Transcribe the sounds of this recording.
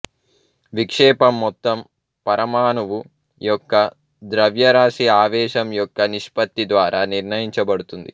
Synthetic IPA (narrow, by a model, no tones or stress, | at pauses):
ʋikʂɛːpɐmːɔt̪ːɐm | pɐɾɐmaːnɐʋu | jɔkːɐ | d̪ɾɐʋjɐɾaːʂiaːʋɛːʃɐmjɔkːɐniʂpɐt̪ːid̪ʋaːɾʔaːniɾnɐjiɲt͡ʃɐbɐɽut̪und̪ḭ